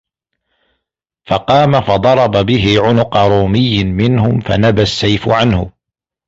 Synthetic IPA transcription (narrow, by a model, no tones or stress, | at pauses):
fɑqɑːmafɑd̪ˤɑɾˤɑbabɪɦɪʕʊnʊqɑɾˤuːmɪjːɪmɪnhʊmfa̰nabasːajfʕanhʊ